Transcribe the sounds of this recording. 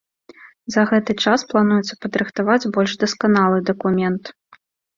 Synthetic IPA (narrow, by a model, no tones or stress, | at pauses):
zɐɣɛt̪ɨt͡ʂasplˠan̪ujɛt̪sɐpɐd̪ɾɨxt̪avad͡zʲbɔlʲʐd̪ɐskanalˠɨd̪ɐkumʲɛnt̪